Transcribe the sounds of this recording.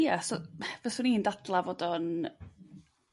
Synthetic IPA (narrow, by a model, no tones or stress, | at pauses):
jasɔvɛsʊniːndadlˠavoːdɔn